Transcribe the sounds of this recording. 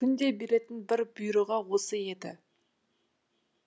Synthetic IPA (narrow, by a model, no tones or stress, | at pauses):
kʲʰʏnd̪e̞be̞ɾe̞t̪ɪnbɪɾbʊjɾoʁɑwo̞səe̞d̪ɪ̰